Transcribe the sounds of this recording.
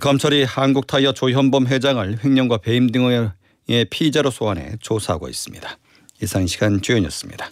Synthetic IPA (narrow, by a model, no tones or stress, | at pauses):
kʌmt͡ɕʰʌɾihanɡuk̚tʰaijʌt͡ɕoɦʌmbʌmɦe̞d͡ʑaŋɯɭɸwe̞ŋɲʌŋɡwape̞imdɯŋ | e̞pʰid͡ʑaɾosʰoɦanɦe̞̰t͡ɕosʰaɦaɡo̰ḭs͈ɯ̥mɲḭd̥a | isʰaŋɕʰiɡant͡ɕuʌɲjʌ̰s͈ɯmɲḭd̥a